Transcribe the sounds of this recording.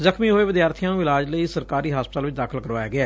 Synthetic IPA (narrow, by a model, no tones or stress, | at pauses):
zəkʰmiːɦoːeːʋɪd̪jaːɾt̪ʰijãːnũːɪlaːd͡ʒləiːsəɾkaːɾiːɦaːspət̪əːlʋɪt͡ʃʰd̪aːkʰəlkəɾʋaːjaːɡɪaː